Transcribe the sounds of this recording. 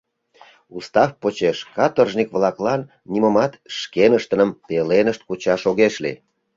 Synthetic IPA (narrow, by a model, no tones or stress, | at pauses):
ust̪ɑfpot͡ɕeʃkɑt̪orʒnikβlɑklɑnːiməmɑt̪ʃkenəʃt̪ənəmpelenəʃt̪̚kut͡ɕɑʃoɣeʃlḭ